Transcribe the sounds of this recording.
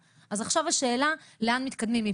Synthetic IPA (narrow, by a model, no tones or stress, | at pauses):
ʔazaχʃavaʃe̞ːlaleanmit̪kad̪mimi